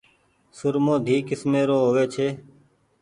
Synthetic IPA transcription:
sʊɾmõːd̪ʱiːkɪsmeːɾoːɦoːʋeːt͡ʃʰeː

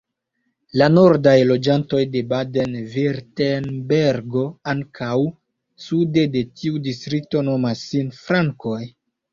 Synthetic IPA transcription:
lano̞ɾdajlo̞d͡ʒanto̞jde̞bade̞nviɾtenbeɾɡo̞aŋkʰaw | sude̞de̞tʰiudistɾik̚to̞no̞masinfɾaŋko̞j

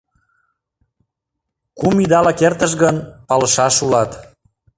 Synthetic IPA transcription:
kumid̪ɑlɑkert̪əʃ̬ɣənpɑləʃɑʃulɑt̪

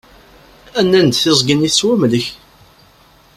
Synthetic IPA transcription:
ænːænd̪θɪzˤɡəniθswæmləç

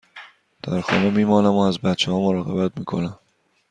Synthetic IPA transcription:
d̪̥æɾxɒ̰ːne̞miːmɒːnæmoæzbæt̪t͡ʃʰehɒːmoɾɒːɣe̞bæt̪miːkʰo̞̰næm

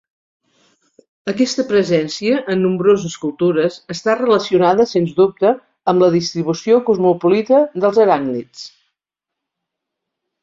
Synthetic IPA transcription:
əkɛst̪əpɾəzɛnsiəʔːnːumbɾozəskulˠt̪uɾəzəst̪arələsiunaðəsenzdup̚t̪əː | mləðist̪ɾiβ̞usiokuzmupulit̪əðəlˠzəɾaŋɡnit͡s

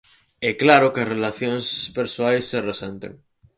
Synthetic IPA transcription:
ɛklaɾokeɐsrelaθjoŋspeɾsoajsːeresent̪ḛŋ

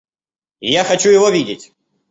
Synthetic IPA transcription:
jaxɐt͡ɕujɪvovʲidʲɪtʲ

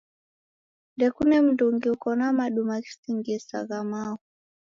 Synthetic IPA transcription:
ndɛkunɛm̩nduŋɡiukɔnamaɗumaki̥siŋɡɛsa̰ɣamaɔ

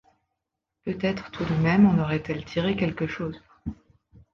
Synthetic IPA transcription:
pøt̪ɛt̪χt̪ʰud̪əmɛmɑ̃nɔʁɛt̪ɛlt̪ʰiʁekʲɛlkəʃoːz

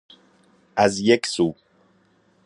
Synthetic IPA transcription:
ʔæzjeksuː

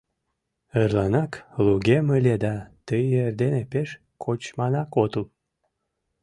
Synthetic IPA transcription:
ərlɑnɑkluɣeməlʲed̪ɑt̪əjerd̪enepeʃ | kʰot͡ɕmɑnɑkot̪ul

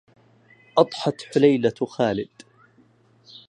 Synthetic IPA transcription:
ʔɑt̪ˤħɑt̪ħʊlajlaxaːlɪd̪̥

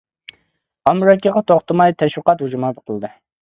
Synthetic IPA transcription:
ɑmɾɑkʲiʁɑt̪ʰoχt̪ɨmɑjt̪ʰɛʃwəqɑt̪hud͡ʒumɑboqʰəlˠɨd̪ɨ

